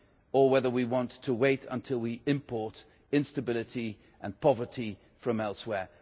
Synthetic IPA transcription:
əwɛðə˞wiwɑ̃ntʰəweɪɾə̰̃ntʰɪlˠwiɪ̃mpʰɔɹɾ | ɪ̃nstəbɪlˠɨɾi | ʔə̃npʰɒvə˞tʰi | fɹʌ̃mɛlˠswɛɹ

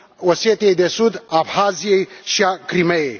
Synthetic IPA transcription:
woset̪ed̪esud̪abʱaːzjejʃakɾimɐe

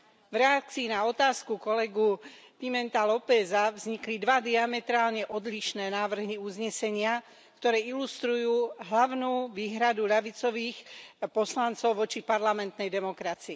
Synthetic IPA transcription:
vɾɛak̚t͡siːnaɔt̪aːskukɔlɛɡup̪imɛnt̪alɔpɛzavzɲiklid̪ʋad̪iamɛt̪ɾaːlɲɛʔɔd̪liʃnɛːnaːʋr̩ɦiuzɲɛsɛɲɪa | kt̪ɔɾɛːilust̪ɾujuːɦlaʋʊnuːʋiːɦɾad̪uʎaʋit͡sɔʋiːxpɔslant͡sɔʊʋɔt͡ʃipaɾlamɛnt̪nɛjd̪ɛmɔkɾat͡sii

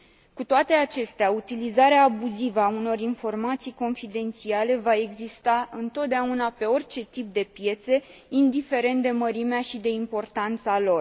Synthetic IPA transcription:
kut̪oat̪e̞at͡ʃe̞st̪eaut̪ilizaɾeaːbuzivəauno̞rinfo̞rmat̪sijko̞nfid̪e̞nt̪siale̞vae̞ɡzist̪aɨnt̪o̞t̪̚d̪eaunape̞o̞rʲt͡ʃe̞t̪ip̚d̪e̞pje̞t̪se̞ind̪ife̞ɾe̞nt̪̚d̪e̞məɾimeaʃid̪e̞impo̞rt̪ant̪salo̞r

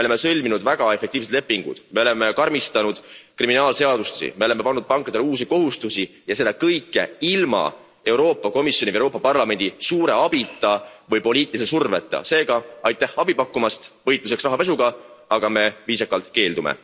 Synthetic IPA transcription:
meole̞mːesɤlʲminud̪væɡ̥ɑe̞fek̚t̪iːvs̬t̪le̞pːiŋɡ̥ṵd̪̥meo̞le̞me̞kɑrmist̪ɑnud̪̥kriminɑːlse̞ɑd̪̥ust̪esḭme̞ole̞mːe̞pɑnːud̪̚pɑŋkːˑɑd̪̥eluːs̬iko̞ɦust̪usijɑse̞d̪̥ɑkɤjkːˑe̞̰ilmɑ̰ | e̞wɾo̞ːpːˑɑko̞misjoniɾo̞ːpːɑpɑrlɑme̞nd̪̥isuːɾe̞ɑb̥it̪ːˑɑvɤjpo̞lʲiːt̪ːˑilis̬esurve̞̰t̪ːˑɑ̰se̞ːɡ̥ɑɑjt̪ːˑehɑbipɑkːˑumɑst̪vɤjt̪ˑluse̞ksvæɦɑpe̞s̬uɡ̥ɑɑɡ̥ɑme̞viːsɑkːˑɑlt̪ke̞ːld̪umḛ

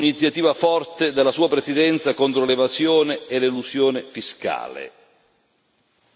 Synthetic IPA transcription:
init̪sjat̪iːvafɔrt̪ed̪elːasuːapɾesid̪ɛnt̪sakont̪ɾolevazjoːneːleluzjoːnɪfiska̰ːlḛ

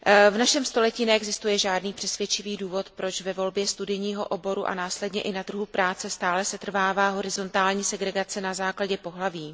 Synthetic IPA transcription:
vnaʃɛmst̪o̞lɛciːnɛɛɡzɪst̪ujɛʒaːdniːpr̥ɛsvjɛt͡ʃɪviːduːvo̞t̪pɾo̞t͡ʃvɛvo̞lbjɛst̪udɪjɲiːɦo̞ʔobo̞ɾuʔa̰naːslɛdɲɛʔɪnat̪r̩ɦupɾaːt͡sɛst̪aːlɛsɛt̪r̩vaːvaːɦo̞ɾɪzo̞nt̪aːlɲiːsɛɡɾɛɡat͡sɛnazaːklaɟɛpo̞ɦlaviː

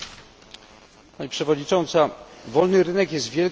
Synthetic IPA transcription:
paɲipʂɛvɔd̪ɲit͡ʂɔnt̪savɔlnɘɾɘnɛkjɛst̪vʲjɛl

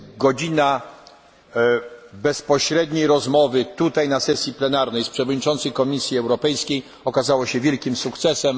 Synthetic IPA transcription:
ɡɔd͡ʑina | bɛspɔɕɾɛd̪ɲejɾɔzmɔvɘt̪ut̪ajnasɛsʲjiplɛnaɾnɛjspʂɛvɔd̪ɲit͡ʂɔnt̪sɘjkɔmʲisʲjiɛwɾɔpɛjskʲej | ɔkazawɔɕɛvʲjɛlkʲimsukt̪sɛsɛm

